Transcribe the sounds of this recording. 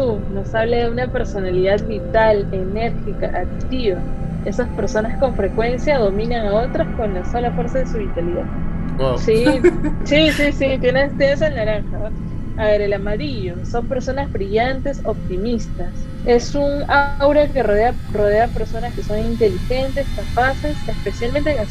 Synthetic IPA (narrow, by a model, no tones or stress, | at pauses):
uno̞saβlaðeunape̞ɾso̞naliðaðβit̪ale̞ne̞ɾxikaʔakt̪iβa | e̞saspe̞ɾso̞nasko̞ɱfɾe̞kwe̞nsjaðo̞mĩnaŋao̞t̪ɾaskonlasolafweɾsaðe̞suβit̪aliðað | sisisisit̪jenent̪ees̬ennaɾaŋxa | aβe̞ɾe̞lamaɾiʝo̞so̞mpe̞ɾso̞nazβɾiʝant̪e̞so̞p̚t̪imist̪as | e̞suŋawɾake̞roðearo̞ð̞e̞ape̞ɾso̞naske̞so̞ŋint̪e̞lixe̞nt̪e̞skapase̞sespe̞sjalmẽnt̪eŋa